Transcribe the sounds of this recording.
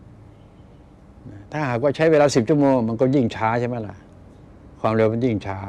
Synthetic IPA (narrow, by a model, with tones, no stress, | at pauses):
na˧˩t̪ʰaː˥˩ɦaː˨˩k̚waː˥˩t͡ɕʰa˦˥jweː˧laː˧si˨˩p̚t͡ɕʰu˥˩ɐmoː˧ŋma˧nkɔː˥˩ji˥˩ŋt͡ɕʰaː˦˥t͡ɕʰa˥˩ma˦˥˩la̰˧˩ʔ | kʰwaː˧mɾe˧wma˧˩nji˥˩ŋt͡ɕʰaː˦˥